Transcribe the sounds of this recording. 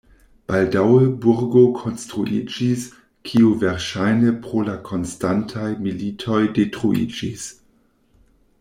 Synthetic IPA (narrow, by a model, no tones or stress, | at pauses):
b̥aldawəbuɾɡokʰonstʁuʔid͡ʒis | kʰiuvɛɾʃajnəpɾolakʰo̞nstantʰajmilitʰojdetʁuḭd͡ʒis